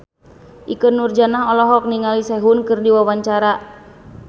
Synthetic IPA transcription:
ʔikənurd͡ʒanaɦɔlɔɦɔk̚niŋalisɛɦunkɨrdiwawaɲt͡ʃaɾa

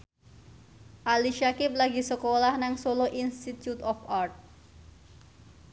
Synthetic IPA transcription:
ʔaliʃakɪp̚laɡi̤səkolahnaŋsoloʔinst̪it̪jut̪ɔfart̪̚

